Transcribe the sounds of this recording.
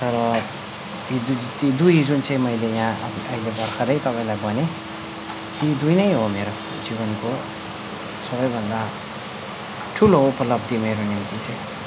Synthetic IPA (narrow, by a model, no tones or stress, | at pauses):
t̪ʌɾʌ | t̪it̪id̪ujd͡zunt͡saĩmʌjlejãʌiʌ̰ilebʌɾkʰʌd̪ʌjt̪ʌpaĩlajbʌne | t̪id̪ujnʌjɦomeɾo | d͡ziβʌnko | sʌβʌjbʱʌnd̪a | ʈʰuloupʌlʌbd̪imeɾonimt̪it͡saĩ